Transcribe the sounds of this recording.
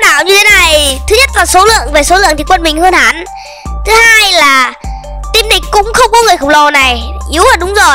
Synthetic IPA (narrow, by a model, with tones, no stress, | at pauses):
ɗa̰ː˧˨wɲɨ˧t̪ʰe˨˦na˨˩jt̪ʰɨ˨˦ɲə˦˥t̚laː˨˩so˨˦lɨ̰˧˨əŋve˨˩so˨˦lɨ̰˧˨əŋt̪i˨˩kwə˧nmï˨˩ŋ̟həː˧nhaː˨˦n | t̪ʰɨ˨˦haː˧jlaː˨˩t̪i˧mɗï˨˩ŋ̟kʊ̰˧˥ŋ͡mxə˧wŋ͡mkɔ˨˦ŋɨ˨˩əjxə˧˨ŋ͡mlɔ˨˩na˨˩jʔi˨˦əwaː˨˩ɗʊ˨˦ŋ͡mzo˨˩j